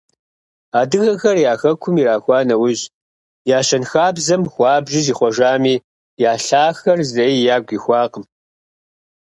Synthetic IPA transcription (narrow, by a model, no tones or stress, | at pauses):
aːdɨɣɐxɐrjaːxɐkʷʰʊmiɾaːxʷɑːnɐwʊʑ | jaːɕɐnxaːbzɐmxʷɑːbʒɪziːχʷɔʒaːmiː | jaːɬaːxɐrzɐiːjaːɡʷiːxʷɑːqəm